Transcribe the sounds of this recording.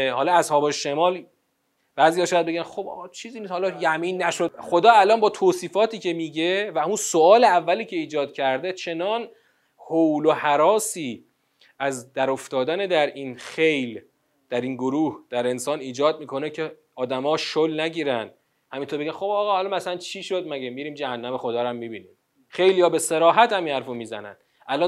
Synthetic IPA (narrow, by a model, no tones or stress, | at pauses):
hɒːlɒæshɒːbeʃemɒːl | b̥æːzijɒːʃɔjæd̪̚be̞ɟænxobɒ̰ːɣɒːt͡ʃʰiːziːniːshɒːlɒːjæmiːnːæʃod̪χo̞d̪ɒːælɒːnbɒːt̪ʰoːsiːfɒːt̪ʰiːcʰe̞miːɟe̞væunsoɒːleævːæliːcʰe̞iːd͡ʒɒːd̪̚cʰæɾd̪e̞t͡ʃʰe̞nɒːn | howlohæɾɒːsiː | ʔæzd̪æɾoft̪ɒːd̪æned̪æɾiːnxe̞jl | d̪̥æɾinɡoɾuːhd̪̥æɾe̞nsɒːniːd͡ʒɒːd̪̚miːkʰo̞necʰe̞ | ɒːd̪æmɒːʃolnæɟiːɾænd̪ | hæmint̪ʰoɾbeɟænxo̞bɒːɣɒːhɒːlɒmæslænt͡ʃʰiʃod̪̚mæɡemiɾiːmd͡ʒæhænːæme̞xod̪ɒːɾæmːibiːniːm | xejlijɒːbe̞se̞ɾɒːɦæt̪hæminhæɾfomiːzæ̰næ̰n̥ | ʔælɒ